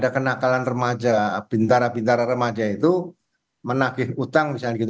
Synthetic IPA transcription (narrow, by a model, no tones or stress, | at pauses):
dakənakalanrəmad͡ʒapint̪aɾapint̪aɾarəmad͡ʒait̪u | mənakɪɦut̪aŋmisalɲakit̪